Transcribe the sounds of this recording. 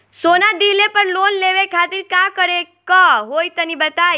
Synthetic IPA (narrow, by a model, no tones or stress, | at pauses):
sonad̪ilepəɾlonleʋekʰat̪iɾkakəɾe | kəɦojt̪ənibət̪a